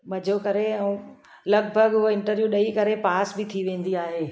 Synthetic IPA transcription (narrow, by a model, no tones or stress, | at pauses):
mɐd͡ʑʱokɐɾeɛ̃ | lɐɡbʱəɡʊɦoɪ̃ɳʈəɾʋjuɗɐikɐɾepaːsbɪt̪ʰiʋẽːn̆d̪iaːɦeː